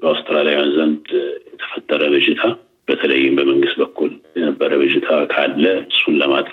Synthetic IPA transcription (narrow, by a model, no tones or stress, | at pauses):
bəawst̪ʰʼəɾalijajanzənd̪jɛt̪ʰə̥fət̪ʼːəɾəbɨd͡ʒɪt̪ʰa | b̥ət̪ʰələjːɪmbəməŋɡɨst̪bəkʰːuljɛnəbːəɾəbɨd͡ʒɪt̪ʰakʰalːəɨsːunləmat̪ʼɾ